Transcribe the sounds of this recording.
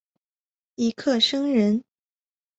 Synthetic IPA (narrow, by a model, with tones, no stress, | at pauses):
i˧˥kʰɤ˥˩ʂɤ˥ŋɻə˧˥n